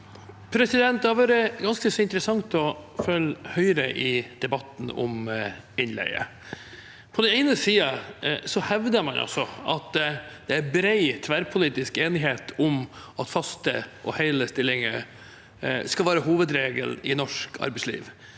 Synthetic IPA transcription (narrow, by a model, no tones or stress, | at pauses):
pʰɾɛsɪd̪ɛnt̪hɑɾʋøːɾəɡɑnskəsɔɪnt̪əɾəsɑŋt̪ɔfœlhœʏɾəʔɪd̪̥ɛbɑt̪n̩ɔ̰m | ɪnlɛ̰ɪə̰ | pʰɔd̪ɛnɛɪnəsiːɑsɔhɛʋd̪əɾmɑnʔɑ̰sɔɑ̰t̪d̪̥ɛæɾbɾæɪt̪ʰʋæɾpʰʊliːt̪ɪskeːnɪɦeːt̪ʰʊmɑt̪fɑst̪əʔɔhæɪləst̪ɪlːɪŋə | skɑlʋæːɾəhuːʋəd̪ɾeːɡə̰lɪnɔʂkʰɑ̰ɾbɛɪslḭːʋ